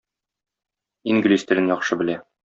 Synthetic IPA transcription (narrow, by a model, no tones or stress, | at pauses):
iŋɡlʲisʲt̪ɘ̆ɾɘnjɒχʃɤbɘ̆læ